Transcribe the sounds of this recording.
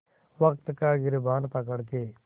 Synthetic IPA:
ʋəkt̪kaːɡɪɾbaːnpək̬əɽkeː

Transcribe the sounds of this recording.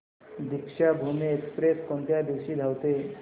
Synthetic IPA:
d̪ikʂabʱomeekspɾeskont̪jad̪iʋɕiːd̪ʱawt̪e

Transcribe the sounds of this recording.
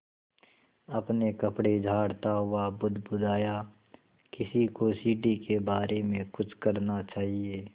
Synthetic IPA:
ɐpnekɐpɽed͡ʒʱaːɽt̪aɦʊabʊd̪ʱbʊd̪aːja | kɪsikosiːɖikebaːɾemẽkʊt͡ʃʰkɐɾnat͡ʃaːɦieː

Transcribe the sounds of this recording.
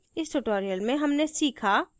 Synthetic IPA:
ɪsʈʊʈoːɾijəlmẽɦɐmnesiːkʰaː

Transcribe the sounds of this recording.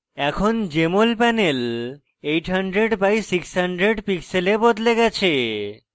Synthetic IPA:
ɛkʰond͡ʑemolpɛnel | ejʈɦaɳɖɾeɖbajsiksɦaɳɖɾeɖpikselebod̪leɡɛt͡ɕʰe

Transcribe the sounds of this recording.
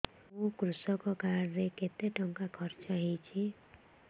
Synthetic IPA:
okɾusʌkokaɽleket̪eʈʌŋkakʰʌɾt͡ʃaɦit͡ʃʰi

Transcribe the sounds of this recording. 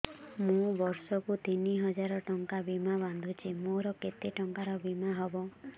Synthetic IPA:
mũbɔɾsɔkut̪iniɦɔd͡ʒaɾɔʈɔŋkabimaband̪ʱut͡ʃʰimoɾɔket̪eʈɔŋkaɾɔbimaɦɔbɔ

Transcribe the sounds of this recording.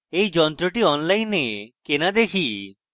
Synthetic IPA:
ejd͡ʒɔnt̪ɾɔʈiɔnlajnːekenad̪ekʰi

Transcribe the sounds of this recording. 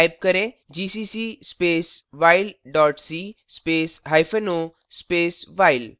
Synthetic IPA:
jb̚kəɾẽ | d͡ʑisisispeːsʋailɖɔʈsispeːsɦajfeno | speːsʋajl

